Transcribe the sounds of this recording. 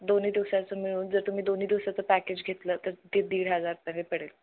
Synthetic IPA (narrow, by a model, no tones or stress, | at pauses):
d̪oniːd̪iʋsat͡səmiɭuːnd͡zəɾt̪um̤iːd̪oniːd̪iʋsat͡səpæked͡ʑɡʱet̪lət̪əɾt̪ed̪iːɽɦəd͡zaɾpə̃epəɽel